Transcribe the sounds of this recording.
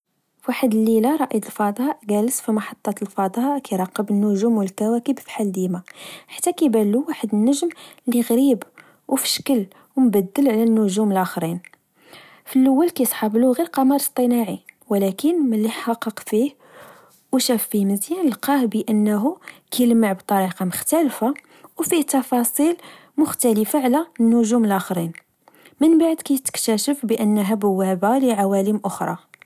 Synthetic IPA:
fwaħəd̪əlːilaɾˤɑʔəd̪əlfɑd̪ˤɑʔɡæləsfimɑħɑt̪ˤːɑt̪əlfɑd̪ˤɑʔkijɾˤɑqːəbənːʊʒumwəlkːæwækəbfi̥ħald̪imaħḁt̪ːækæbælːuwaħəd̪ənːəʒmliɣɾib | wfə̥ʃkəl | wəmbæd̪ːəlʕlænːʊʒuməlʔæxɾin | fəlʔəwːælkæjsˤħɑbluɣiɾqɑmɑɾˤst̪ˤənɑʕiwlækənməlːiħħɑqːɑqfih | wʃæfːiməzjænəlqɑhbəʔənːɦukælməʕbt̪ˤɑɾiqɑməxt̪ælfa | wfiht̪ːɑfɑsˤil | mʊxt̪æləfaʕlænːʊʒuməlʔæxɾin | mənbaʕd̪kæjt̪ə̥kt̪æʃəfbəʔənːəɦæbʊwːæbaləʕawæləmʔʊxɾˤɑ̰

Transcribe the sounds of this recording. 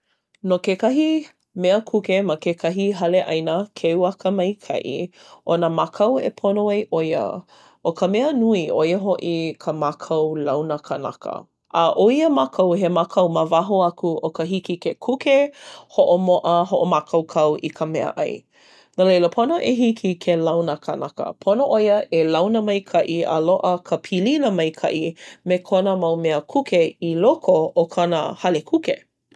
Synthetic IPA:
nokekɐɦi | mɛəkʰukemakekʰɐɦiɦɐleʔɐjnəkʰewɐkəmɐjkʰɐ̰ʔḭ | ʔonamakʰɐwḛpʰonoɐjʔojə̰ | ʔokʰəmɛənuiʔojəɦoʔikʰəmakʰɐwlɐwnəkʰəna̰kʰə̰ | ʔaʔoiəmakʰɐwɦemakʰɐwmavaɦoɐkuʔokəɦikikekʰukehoʔomoʔəɦoʔomakʰɐwkʰɐwʔḭkʰəmɛə̰ʔɐ̰j | nəlejləpʰonoʔeɦikʰikʰelɐwnəkʰanakə̰pʰonoʔojəʔelɐwnəmɐjkʰɐʔia̰loʔəkʰəpʰililəmɐjkʰɐ̰ʔimekʰonəmɐwmeəkʰukʰeilokʰookʰɐnə̰hɐlekʰukḛ

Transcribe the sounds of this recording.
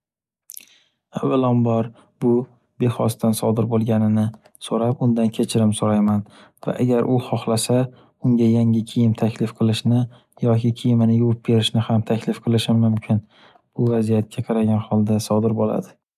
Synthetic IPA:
avalɒmbɒɾ | bʊ | be̞χɒst̪ansɒd̪ɪɾbolˠɡʲanɪnɪ | soɾapʊnd̪ankʲʰe̞t͡ʃʰɪɾɪmsoɾajman | va̰ʔa̰ɡʲaɾʔʊχɒχlasa | ʊŋɡʲajaŋɪkʲʰejɪmt̪ʰakʲlɪfqʰɨlˠɪʃnɪ | jɒkʲɪkʲʰijɪmɪnɪjuwp̚be̞ɾɪʃnɪhamt̪ʰakʲlɪfqʰɨlˠɪʃɪmʊmkʲʰɪn | b̥ʊvazijat̪̚kʲʰaqʰɑɾaɡʲanhɒlˠd̪asɒd̪ɪɾbola̰d̪ɪ

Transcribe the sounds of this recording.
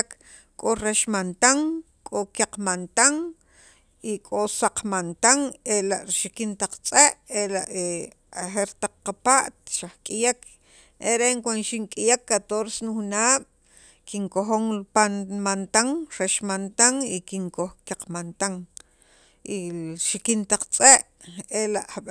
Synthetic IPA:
k | kʼoɾeʃmant̪aŋ | kʼokaq͡χmant̪aŋ | ikʼosaqmant̪aŋelaʔɾiʃikint̪aq͡χt͡sʼeʔelaʔe | axeɾt̪aq͡χqapaʔt̪̚ʃahkʼijakʰ | eɾeʔŋkʷanʃiŋkʼijakːat̪oɾsenuxunaːɓ̥ | kiŋkoxoŋpamant̪aŋɾeʃmant̪aŋikiŋkoxkjaq͡χmant̪aŋ | iʃikint̪aq͡χt͡sʼeʔ | elaʔaɓ

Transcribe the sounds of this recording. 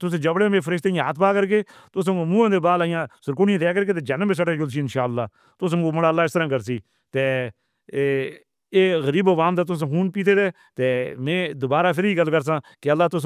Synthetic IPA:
t̪ʊsẽːd͡ʒəbɽẽːmẽːpʰəɾɪʃt̪ẽːɦaːt̪ʰpaːkəɾkeːt̪ʊs̬mũːãːd̪eːbaːlaːjãːsəɾkʊːɽɪẽːt̪ɛːk̬əɾk̬eːt̪eːd͡ʒanəmbes̬əʈeːd͡ʒʊls̬iːɪnʃaːəlːaː | t̪ʊsoːməɽaːəlːaːɪst̪ɾãːkəɾsiː | t̪eː | eːɣəɾiːbəʋaːmd̪aːt̪̬ʊs̬ɦuːnpiːt̪ʰeːd̪eː | t̪eːmẽːd̪ʊbaːɾaːpʰɪɾiːɡəlːkəɾs̬ãːkɪəlːaːt̪ʊs

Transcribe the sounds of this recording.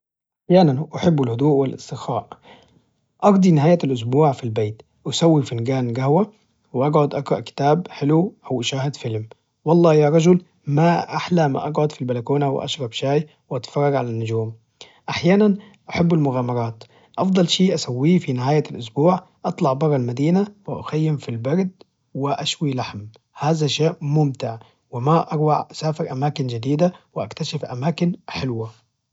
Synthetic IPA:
ʔaħjaːnanʔaħɪbːɪlhʊd̪uːʔwɪlʔɪ̰st̪ɪxaːʔ | ʔɑɾd̪ˤinɪɦaːjalʔʊs̬buːʕfilbeːt̪ | wasawːifɪnɡaːnɡahwa | wɪʔɑɡʕʊd̪ʔɑɡɾˤɑʔkɪ̥t̪aːbħɪluʔawʔɪʃaːhɪd̪fɪlm | wɑlˤːɑːjaːɾˤɑd͡ʒʊl | maʔaħlama̰ʔɑɡʕʊd̪filbalakuːnaw̰ʔɑ̰ʃɾˤɑbʃaːj | wʔat̪fɑrˤːɑɡʕalanːʊd͡ʒuːm | ʔaħjaːnan | ʔaħabːalmʊɣaːmɑɾˤɑːt̪ | ʔɑfd̪ˤɑlʃiːʔasawːiːfinɪɦaːjalʔʊsbuːʕ | ʔɑt̪ˤlɑʕbɑɾˤːɑlmad̪iːnawɪʔa̰xajːɪmfilbɑɾd̪ | wɪʔaʃwilaħm | haːzaʃaːʔmʊmt̪ɪʕ | wɪmaʔɑɾwaʕʔasaːfɪɾʔamaːkɪnd͡ʒɪd̪iːd̪awɪʔakt̪aʃɪfʔamaːkɪnħɪlwa

